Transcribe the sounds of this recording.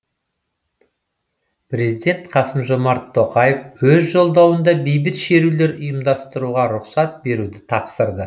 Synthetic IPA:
pɾe̞zijd̪ʲe̞nt̪qʰɑsəmʒo̞mɑɾt̪ʰːo̞qɑjefwɵzʒo̞lˠd̪ɑwənd̪ɑbejbɪt̪ʃe̞ɾule̞ɾʊjəmd̪ɑst̪əɾuʁɑɾʊqsɑt̪̚be̞ɾud̪ɪt̪ʰɑpsəɾd̪ə

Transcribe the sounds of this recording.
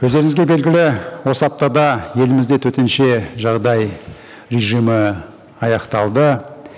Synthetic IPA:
wɵzd̪e̞ɾɪŋɪzɡʲe̞be̞lɡʲɪlɪwo̞səɑp̚t̪ɑd̪ɑje̞lɪmɪzd̪e̞t̪ʰɵt̪e̞nʃe̞ʒɑʁd̪ɑj | ɾeʒijmə | ɑjɑqt̪ɑlˠd̪ə

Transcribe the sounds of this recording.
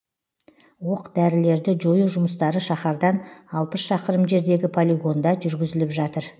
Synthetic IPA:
woqd̪æɾɪle̞ɾd̪ɪʒo̞juʒʊməst̪ɑɾəʃɑχɑɾd̪ɑnɑlˠpəsʃɑqəɾəmʒe̞ɾd̪e̞ɡʲɪpʰolʲiɡo̞nd̪ɑʒʏɾɡʲɪzɪlɪpʒɑt̪əɾ

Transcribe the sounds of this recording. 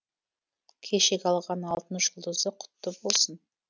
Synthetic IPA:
kʲʰeʃekʲɑlˠʁɑnɑlˠt̪ənʃʒəlˠd̪əzd̪əqʰʊ̥t̪ːəbo̞lˠsən

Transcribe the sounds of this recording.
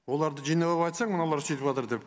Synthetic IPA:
wo̞lˠɑɾd̪əʒijnɑlˠəpɑjt̪sɑɴmənɑlˠɑɾset̪ɪpɑt̪əɾd̪e̞p

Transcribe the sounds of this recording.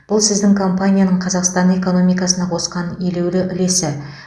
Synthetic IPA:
b̥ʊlˠsɪzd̪ɪŋkʰo̞mpanʲijanəɴqʰɑzɑqst̪ɑne̞ko̞no̞mijkɑsənɑqʰo̞sqɑnele̞wlɪʔʏle̞sɪ

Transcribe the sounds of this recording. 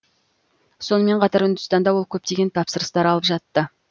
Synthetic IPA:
so̞nəme̞ɴqʰɑt̪ɑɾʏnd̪ʏ̥st̪ɑnd̪ɑwo̞lˠkʲʰɵp̚t̪e̞ɡʲe̞nt̪ʰɑpsəɾəst̪ɑɾɑlˠəpʒɑt̪ːə

